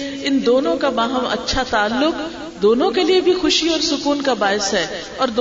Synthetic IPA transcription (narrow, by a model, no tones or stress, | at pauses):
ɪnd̪oːnõkabaːɦəmɐ̰tːʃʰat̪aːlːʊk | d̪oːnõkeliebʱixʊʃiɔːɾsʊkuːnkabaːɪsɦɛː | ɔːɾd̪